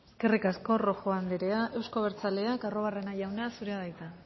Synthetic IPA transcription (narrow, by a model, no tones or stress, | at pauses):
eske̞rikasko̞ro̞xo̞and̪eɾeaʔe̞wsko̞βe̞ɾt͡sale̞akaro̞β̞are̞naʝawnasuɾeaðajt̪a